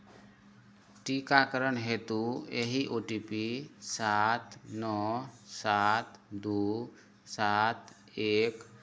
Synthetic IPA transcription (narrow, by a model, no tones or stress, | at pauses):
ʈikakəɾənɦet̪ueɦiʔoʈipisat̪nɔsat̪d̪u | sat̪ | ek